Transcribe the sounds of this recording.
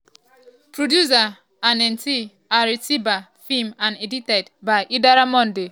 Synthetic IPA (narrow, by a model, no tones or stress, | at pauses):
pɾodjus̬a | ãnɛnti | aɾisiba | fimãneditedbaʔidaɾamɔ̃nde